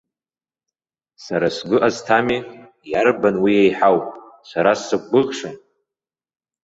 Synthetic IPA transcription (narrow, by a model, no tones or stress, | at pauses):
saɾasɡʷʊʔaztʰami | jarbanwiejħawpʼ | sʷaɾasɨkʷʼːɨʁʂan